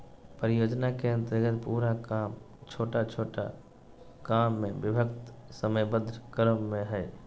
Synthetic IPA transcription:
pɾɪjoːd͡ʒnakeə̃nt̪əɾɡət̪puːɾam | t͡ʃʰoːʈat͡ʃʰoːʈa̰ | kaːmːẽbɪbʱəkt̪səməjbəd̪ʱɾəkəɾəmːẽɦɛː

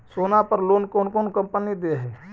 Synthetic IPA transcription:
soːnapəɾloːnkoːnkoːnkə̃mpənid̪eɦɛː

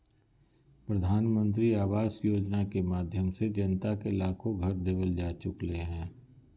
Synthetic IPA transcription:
pɾəd̪ʱaːnmə̃nt̪ɾiaːʋaːsjoːd͡ʒnakemaːd̪ʱjəmsed͡ʒənt̪akelaːkʰõɡʱɐɾd̪ɪʋəld͡ʒaːt͡ʃʊkleɦɛ̃ː

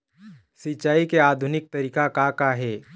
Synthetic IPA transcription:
sɪt͡ʃːaːikeaːd̪ʱʊnɪk̚t̪ɐɾiːkakakaɦɛː

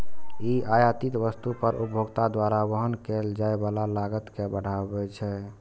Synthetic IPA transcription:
iʔajat̪it̪ʋəst̪upəɾṵbʱoɡt̪ad̪waɾaʋəɦənkeld͡ʒaebalalaɡət̪kebəɽ̤ʱabɛt͡ʃʰɛ

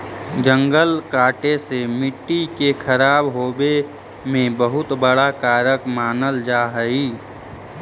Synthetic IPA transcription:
d͡ʒə̃ŋɡəlkaːʈesemɪʈːikekʰəɾaːbɦoːbe | mẽbəɦʊt̪bəɽakaːɾəkmaːnəld͡ʒaːɦəiː

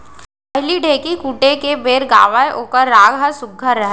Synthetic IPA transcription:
pɐɦliɖʱeːkikuːʈekebeːɾɡaːʋaeʔoːkəɾːaːɡɦɐɾsʊɡʱːəɾːəɦ

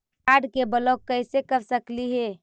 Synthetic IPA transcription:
aɖkebəlɔkːəjsekəɾsəkliɦe

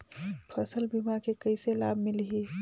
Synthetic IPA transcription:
pʰəsəlbimakekəɪselaːbʱmɪlɦi

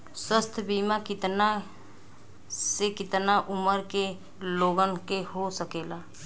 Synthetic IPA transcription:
swəst̪ʰbiːmakɪt̪na | sekɪt̪naʔʊməɾke | loːɡənkehosəkeːlaː

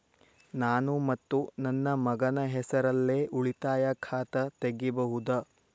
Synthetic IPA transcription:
naːnumɐt̪ːunɐnːɐmɐɡɐnɐɦɛsɐɾɐlːeːʔuɭit̪aːjɐkʰaːt̪ɐt̪eɡːibɐɦud̪ɐ

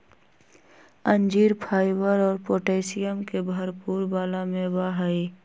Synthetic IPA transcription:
ə̃nd͡ʒiːɾpʰaːɪbəɾɔːɾpoːʈeːɪsɪjəmkebʱəɾpuːɾbaːlamẽbaɦəi

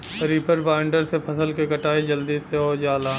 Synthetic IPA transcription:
əɾiːpʰəɾbaːɪɳɖəɾsepʰɐsəlkekɐʈaːid͡ʒɐld̪iːseɦod͡ʒaːlaː

